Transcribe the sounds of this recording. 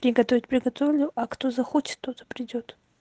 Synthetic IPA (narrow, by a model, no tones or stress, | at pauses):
pɾʲɪɡɐt̪ovʲɪtʲpɾʲɪɡɐt̪ovlʲʊʔakt̪ozɐxot͡ʃɪ̥t̪ːot̪ə̥pɾʲɪdʲot̪